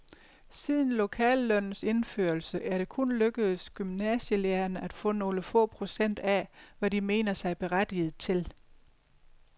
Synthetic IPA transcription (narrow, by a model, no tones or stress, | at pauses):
sið̞ˠn̩lo̝kʰɛ̰ːlːœnn̩se̝nfø̰ːɐlsəʔæɐɾ̥e̝kʰɔnløɡ̥əð̩ˠsɡ̥ymnɛɕəleɐnəæd̥fɔ̰̽ːno̝ːləfɔ̰̽ːpʰʁo̝sen̰d̥æʋædime̝̰ːnɐsɑ̈ɪb̥e̝ʁæd̥ið̞̩ˠt͡sʰe̝l